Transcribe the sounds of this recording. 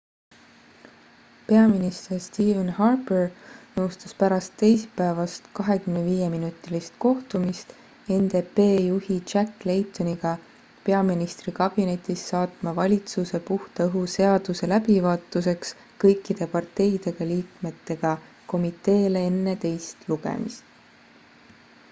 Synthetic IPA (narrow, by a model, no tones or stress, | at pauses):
pe̞ɑminist̪erst̪iːvenhɑrbernɤwst̪ɑspæɾɑst̪ːe̞jspæevɑst̪kɑɦe̞kymneviːje̞minut̪ːˑilist̪̚ko̞ht̪umist̪ | e̞nd̪e̞pe̞ːjuhit͡ʃækːle̞jt̪ːˑoniɡ̥ɑ | pe̞ɑminist̪rikɑb̥ine̞t̪ʲːˑisːɑːt̪mɑvɑlʲit̪suse̞puht̪ɑɤɦuse̞ɑd̪̥use̞læbivɑːt̪ːˑuse̞ks | kɤjkˑːid̪̥e̞pɑrt̪ːe̞jd̪̥e̞ɡ̥ɑliːkme̞t̪ːe̞ɡ̥ɑ | ko̞mit̪ːˑe̞ːlee̞nːet̪e̞jst̪luɡ̥ḛmḭst̪